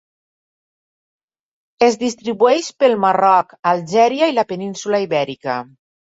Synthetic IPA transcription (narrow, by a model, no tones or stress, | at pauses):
ezd̪ist̪ɾiβuɛʃpəlˠmarɔkalʒɛɾjailapeninsulaiβɛɾika̰